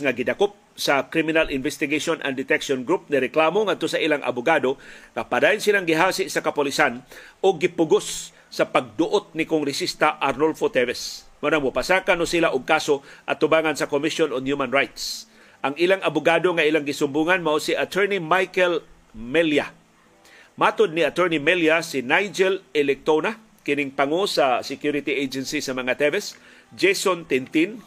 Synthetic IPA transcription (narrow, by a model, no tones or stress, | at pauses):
ŋaɡɪd̪akop̚sakɾimɪnalɪnvɛst̪ɪɡaʃonʔa̰nd̪ɪt̪ɛkʃonɡɾup̚nɪɾɛklaːmoŋad̪̚t̪osɐʔilaŋʔa̰bʊɡaːd̪oŋapadaːjʊnsilaŋɡɪɦaːsɪʔsɐkɐpʊlɪsanʊɡːɪpʊɡosː | ɐpaɡ̚d̪ʊʔot̪̚nɪkʊŋɾɪsist̪aʔaɾnolfot̪ɛvɛs | maɾaŋmʊpasaːkanosilaʔʊɡ̚kaːsoʔa̰t̪ʊbaːŋansɐkomɪʃjonoŋhjumanɹajt̪s | ʔɐŋilaŋʔɐbʊɡaːd̪oŋaʔilaŋɡɪsʊmbuːŋanmaʔosiʔat̪ʰɛɹnimajkɛl | mɛlja | maːt̪ʊd̪̚niat̪ɛɹnimɛljasɪnajd͡ʒɛlɛlɛk̚t̪ona | kɪnɪŋpaŋosasɪkjuɾɪt̪iʔejd͡ʒɛnsisɐmɐŋat̪ɛvɛs | d͡ʒejsont̪ɛnt̪in